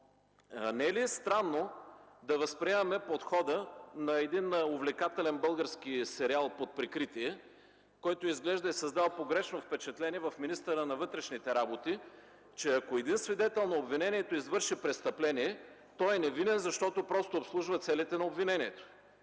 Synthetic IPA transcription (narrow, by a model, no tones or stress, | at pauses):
nɛɛliɛst̪ɾanːod̪ɐvɐspɾiɛmɐmɛpot̪xɔd̪ənɐɛd̪inovlɛkat̪ɛlɛnbɤlˠɡəɾskisɛɾialˠpot̪̚pɾikɾit̪iɛ | kɔjt̪oizɡlɛʒd̪ɐisɐzd̪alˠpoɡɾɛʃnofpɛt͡ʃɛt̪lɛniɛvɐfminist̪əɾənɐvɤt̪ɾɛʃnit̪ɛɾabot̪i | t͡ʃɛɐkoɛd̪insvid̪ɛt̪ɛlˠnoːbvinɛniɛt̪oizvɤɾʃipɾɛst̪ɐplɛniɛ | t̪ɔɛnɛvid̪ɛnzɐʃt̪ɔt̪opɾɔst̪oːpslˠuʒvɐt̪sɛlit̪ɛnɐobvinɛniɛt̪o̥